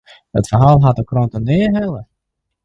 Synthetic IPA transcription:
ətfərɦaːlˠɦatəkrontənɪəɦɛlˠə

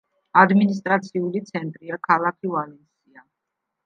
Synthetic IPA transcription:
ad̪minist̪ʼɾat̪sʰiulit̪sʰɛnt̪ʼɾiakʰalˠakʰivalɛnsia

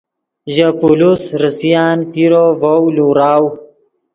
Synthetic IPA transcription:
ʑapulusɾəsijaːnpiɾovowluɾaːw

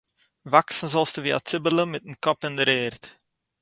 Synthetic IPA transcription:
ʋaksən̩zɔlˠstəʋia̰t͡sɪbələmɛtənkɔpəndəɾeːrt

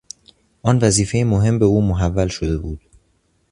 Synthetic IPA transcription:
ʔɒːnvæziːfe̞jemoɦe̞mbe̞uːmoɦævːælʃod̪e̞buːd̪̥

